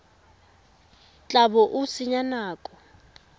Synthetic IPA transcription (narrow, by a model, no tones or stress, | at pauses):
t͡ɬʼabɔʔusiɲanaːkʼɔ